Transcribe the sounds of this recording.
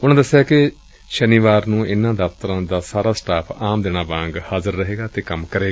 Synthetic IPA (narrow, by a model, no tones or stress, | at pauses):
ʊnãːd̪əsːejaːkɪ | ʃəniːʋaːɾnũːʔɪnːãːd̪aft̪əɾãːd̪aːsaːɾaːsʈaːpʰaːmd̪ɪɳ̃aːbãːŋɡhaːzəɾːəɦeːɡaːt̪eːkəmkəɾeːɡa